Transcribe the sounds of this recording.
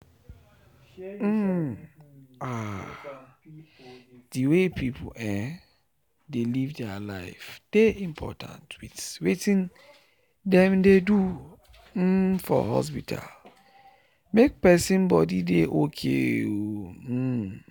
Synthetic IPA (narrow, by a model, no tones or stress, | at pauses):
m̩ | a | diwepʰipʰuɛ̃ | delivdɛla̰ɪfd̥eĩmpʰɔ̰tʰã̰ntwitwetĩn | dɛ̃mdedu | m̩fɔ̰hɔ̰s̬pitʰa̰l | mek̚pɛsĩnbɔdideʔokʰeo